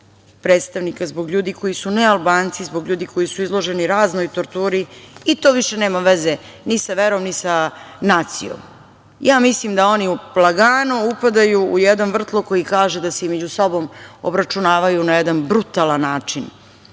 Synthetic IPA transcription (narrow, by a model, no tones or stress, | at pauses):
pɾeːt̪st̪aʋnikazbo̞ɡʎuːd̪iko̞jisunealˠbaːnt̪sizbo̞ɡʎuːd̪iko̞jisuizlˠo̞ʒeniɾaːzno̞jt̪oɾt̪uːɾiit̪oːʋiʃe̞ne̞ːmaʋeze | nisaʋeɾomnisanaːt̪sḭjo̰m | jaːmislimd̪ao̞niuplˠaɡaːnuupad̪ajuujed̪nonvr̩t̪lˠokojikaːʒed̪aseimed͡ʑusobo̞mobɾat͡ʃunaːʋajunajed̪anbɾut̪alˠanːaːt͡ʂin